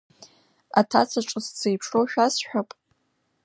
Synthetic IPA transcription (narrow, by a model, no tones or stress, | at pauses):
atʰat͡sʰaʈ͡ʂʼɨst͡sʰejpʰʂoʃᶣasħʷᶣapʼ